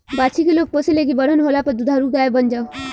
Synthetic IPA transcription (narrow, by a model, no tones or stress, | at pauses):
bat͡ʃʰikilok̚posileɡibəɽ̤ənɦolapəd̪ud̪ʱaɾuk̚d̪aebʌnd͡ʒa